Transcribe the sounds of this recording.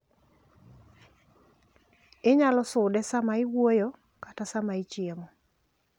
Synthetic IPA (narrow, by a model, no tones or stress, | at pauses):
ɪɲalɔsʊdɛsamaɪwojo | katasamaɪt͡ʃjemɔ